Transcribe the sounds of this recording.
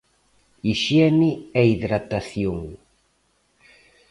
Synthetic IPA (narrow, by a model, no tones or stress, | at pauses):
iʃɛniɛiðɾat̪aθjoŋ